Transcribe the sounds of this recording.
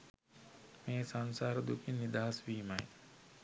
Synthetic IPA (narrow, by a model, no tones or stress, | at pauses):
mẽːsansaːɾd̪ukʰinid̪aːsʋiːmaj